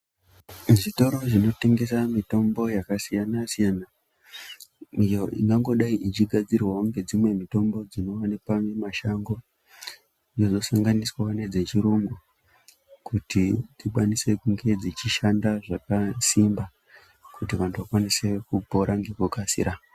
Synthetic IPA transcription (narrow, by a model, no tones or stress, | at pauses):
ʐito̞ɾo̞ʐino̞te̞ŋɡe̞samito̞mbo̞jakasijanasijana | ijo̞ʔḭŋɡaŋɡo̞ɗaiʔit͡ʃiɡʱad͡zirwauŋɡe̞d͡zimwe̞mito̞mbo̞d͡zino̞wanepamwemaʃaŋɡo̞ | ijozo̞saŋɡaniswaane̞d͡ze̞t͡ʃiɾuŋɡu | kutitiɓwanise̞kuŋɡe̞d͡zit͡ʃiʃandaʐakasimba | kutiʋantuʋakwanise̞kupo̞ɾʔaŋɡe̞kokasḭɾa